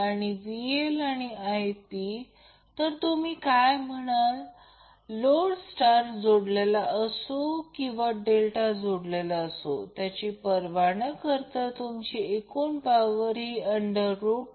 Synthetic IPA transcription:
aɽ̃iʋielaɽ̃iajti | t̪əɾt̪umiːkajməɽ̃al | loɽsʈaɾd͡zoɽlelaʔəsokĩw̃ʋaɖelʈad͡zoɽlelaəso̰t̪jat͡ɕipəɾʋaɽ̃əkəɾt̪ət̪umt͡ɕiekuːnpaʋəɾiːəɳɖəɾːup

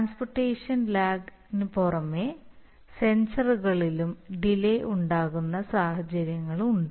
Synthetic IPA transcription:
ʈaːnsporʈːeːʂɐnlaːɡ | nɨporɐmːe | sensɐruɣɐɭilumɖilejʔuɳɖaːɣunːɐsaːhɐt͡ɕɐɾjɐŋːɐɭuɳɖɨ

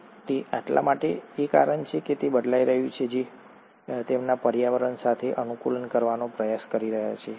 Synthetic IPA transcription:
t̪eaʈla̰maʈeeka̰ɾəɳt͡ʃʰeket̪ebəd̪laiɾəɦjũt͡ʃʰed͡ʒi | t̪emnapəɾjaʋəɾənsat̪ʰeʔənukulənkəɾʋanopɾəjaskəɾiɾəɦja̰t͡ʃʰe

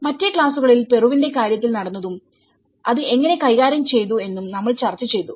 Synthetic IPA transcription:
mɐtːekɭaːsuɣɐɭilpe̞ruʋinde̞kaːɾjɐt̪ːilnɐɽɐnːɐðum | ɐðɨe̞ŋːɐne̞kɐjɣaːɾɐmt͡ɕe̞jt̪ue̞nːumnɐmːɐɭt͡ɕɐrt͡ɕːɐt͡ɕe̞jt̪ːu

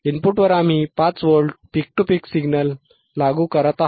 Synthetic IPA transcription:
inpuʈʋəɾam̤iːpat͡sʋəɾɭɖpik̚ʈupiksiɡnəlː | aɡuːkəɾət̪aɦ

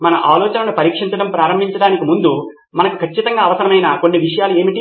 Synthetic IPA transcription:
mɐnɐʔaːlɔːt͡ʃɐnɐnupɐɾiːkʂiɲt͡ʃɐɽɐmpɾaːɾɐmbʱiɲt͡ʃɐɽaːnikimund̪u | mɐnɐku̥kʰɐt͡ʃːit̪ɐŋɡaːɐʋɐsɐɾɐmɐjnɐko̞nːiʋiʂɐjaːlue̞ːmiʈi

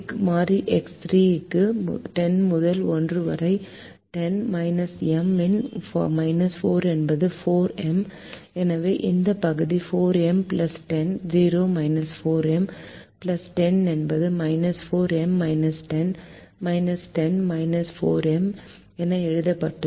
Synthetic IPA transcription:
kːmaːɾiʔɛksɾiːkːɯmʈɛnmʊðɐlɔndrɯʋɐ̰ɾɐɪ | ʈɛnmɐɪnɐsɛmɪnfmɐɪnɐsfoːɾɛnbɐðɯfoːɾɛm | ɛnɐʋeːʔɪnd̪ɐpɐɣɯðifoːɾɛmplɐsʈɛnd͡ʒiːɾoːmɐɪnɐsfoːɾɛmplɐsʈɛnɛnbɐðɯmɐɪnɐsfoːɾɛmːɐɪnɐsʈɛn | mɐɪnɐsʈɛnmɐɪnɐsfoːɾɛm | ɛnːɐɛɻɯðɐpːɐʈːɯ

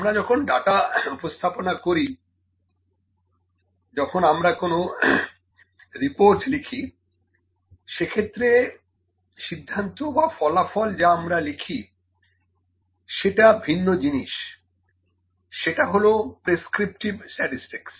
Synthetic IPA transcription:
amɾad͡ʑɔkʰonɖaʈaupost̪ʰaponakoɾi | d͡ʑɔkʰonamɾakono | ɾipoɾʈlikʰi | ʃekʰet̪ːɾe | ʃid̪ʱːant̪obafɔlafɔld͡ʑaamɾalikʰi | ʃeʈabʱinːod͡ʑiniʃ | ʃeʈaɦolopɾeskɾip̚ʈibsʈɛʈisʈiks

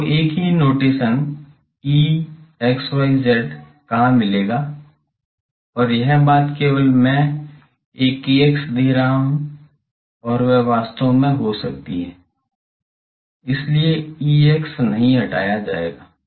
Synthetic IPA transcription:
eːkɦinoːʈiːsən | iːeːksaɪzeɖ | kaɦãmːɪleːɡaː | ɔːɾjɛɦbaːt̪keːwəlmɛ̃ | eːkieksd̪ʱiːɾaɦũ | ɔːɾʋɛʋaːst̪õmẽɦosɐk̚t̪iɦɛː | ɪslieiːeksnɐɦĩɦɐʈa̰ːjad͡ʒa̰ːḛːɡaː

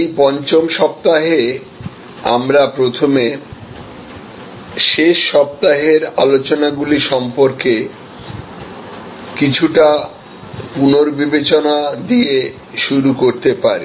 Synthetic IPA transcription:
ejpɔnt͡ɕomʃɔp̚t̪aɦe | a̰mɾapɾot̪ʰome | ʃeʃːɔp̚t̪aɦeɾa̰lot͡ɕonaɡuliʃɔmpoɾke | kit͡ɕʰuʈa | punoɾbibet͡ɕonad̪ie | ʃuɾukoɾt̪epaɾḭ

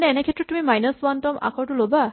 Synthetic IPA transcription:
nɛɛnɛkʰɛtːɹɔtːumimajnəswantɔma̰kʰɔɹtuloba

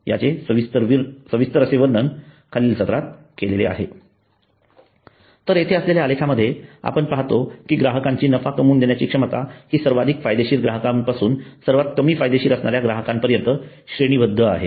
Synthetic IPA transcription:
ja̰t͡sesəʋist̪əɾʋiɾsəʋist̪əɾəseʋəɾɳən | kʰaliːlsət̪ɾat̪̚ | kelelḛa̰ɦe | t̪əɾet̪ʰeəsleljaːlekʰaməd̪ʱːjea̰pəɳpaɦt̪okiːɡɾaɦəkaɲt͡ɕiːnəfakəmuːnd̪enjat͡ɕiːkʂəmət̪a̰hiːsəɾʋad̪ʱikfajd̪eɕiːɾɡɾaɦəkãmpasuːnsəɾʋat̪̚kəmiːfajd̪eɕiːɾəsɳaɾjaɡɾaɦəkampəɾjənt̪ə | ɕɾeɽ̃iːʋəd̪ʱːəa̰ɦḛ

